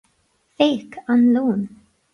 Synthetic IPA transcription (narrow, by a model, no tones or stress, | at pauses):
feːkʰanluːn